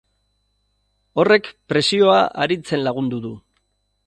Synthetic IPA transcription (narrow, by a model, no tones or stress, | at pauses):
o̞re̞kpɾe̞sio̞aʔa̰ɾit͡se̞nlaɣ̞und̪uðu